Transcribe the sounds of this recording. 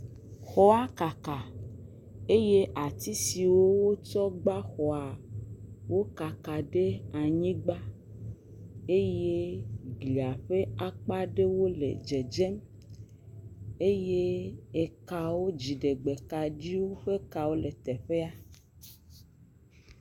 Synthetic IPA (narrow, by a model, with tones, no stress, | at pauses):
xɔ˦a˦ka˨ka˨ | e˦je˦ʔa˨t̪i˦si˨wo˦wo˦t͡ʃɔ˦ɡ͡ba˦xɔ˨a˨ | wo˦ka˨ka˨ɖe˦a˨ɲĩ˦ɡ͡ba˦ | e˦je˦ɡli˨a˨ɸe˦a˦k͡pa˦ɖe˦wo˦lḛ˨d͡ʒe˨d͡ʒɛ˦m | e˦je˦e˨ka˨wo˦d͡ʑi˨ɖe˨ɡ͡be˨ka˨ɖi˦wo˦ɸe˦ka˨wo˦le˨t̪ɛ˨ɸe˦a˦